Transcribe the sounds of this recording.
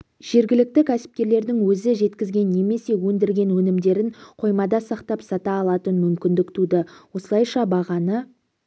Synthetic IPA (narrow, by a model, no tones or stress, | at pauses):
ʒ̥e̞ɾɡʲɪlɪk̚t̪ɪkʲʰæsɪ̥p̚kʲe̞ɾle̞ɾd̪ɪŋwɵzɪʒe̞t̪kʲɪzɡʲe̞nːe̞me̞se̞wɵnd̪ɪɾɡʲe̞nwɵnɪmd̪e̞ɾɪnqʰo̞jmɑd̪ɑsɑqt̪ɑpsɑt̪ɑːlˠɑt̪ənmʏmkʲɪnd̪ɪkt̪ud̪ɪwo̞səlˠɑjʃɑbɑʁɑnə